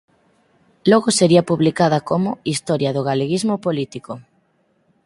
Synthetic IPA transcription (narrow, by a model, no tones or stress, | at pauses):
lɔɣoseɾiɐpuβlikaðɐkomʊist̪ɔɾjɐðoɣaleɣizmopolit̪iko